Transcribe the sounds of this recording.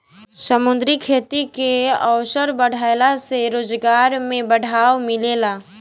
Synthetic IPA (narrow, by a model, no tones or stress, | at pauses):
səmʊnd̪ɾikʰeːt̪ikeəʊsəɾbəɽ̤ʱalaseɾoːd͡ʒɡaːɾmẽbəɽ̤ʱaːwmɪleːlaː